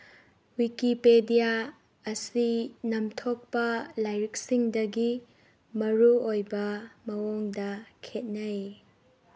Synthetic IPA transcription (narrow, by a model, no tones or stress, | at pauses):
wikipedija | ɐsinɐmtʰok̚pɐlajɾik̚siŋdɐɡi | mɐɾuojbɐmɐwoŋdɐkʰet̚nɐ